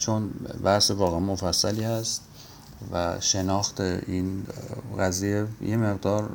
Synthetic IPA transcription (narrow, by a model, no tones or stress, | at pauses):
t͡ʃʰonbæhsevɒːɣeemofæsːæliːhæst̪ | væʃe̞nɒːxt̪ʰeinɣæzijejeme̞ɣd̪ɒːɾ